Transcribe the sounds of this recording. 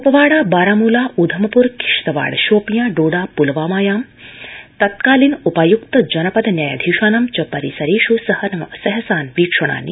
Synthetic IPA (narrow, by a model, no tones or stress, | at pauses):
upɐʋaːɽaːbaːɾaːmuːlaːud̪ʱɐmɐpuɾki̥ʂt̪ɐʋa̰ːɽʃoːpjaːɖoːɽaːpulɐʋaːmaːjaːm | t̪ɐt̪̚kaːliːnupajukt̪ɐd͡ʒɐnɐpɐd̪njaːja̰d̪ʱiːʃaːnɐmt͡ʃɐpɐɾisɐɾiːʃusɐhɐnɐsɐɦɐsaːnʋiːkʂɐɽ̃a̰ːnḭ